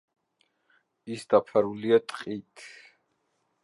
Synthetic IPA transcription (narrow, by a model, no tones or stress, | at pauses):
isd̪apʰaɾuliat̪ʼqʼit̪ʰ